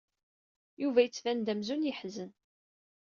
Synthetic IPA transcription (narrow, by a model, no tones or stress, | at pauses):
juvæjət͡sːvænd̪æmzunjəħzən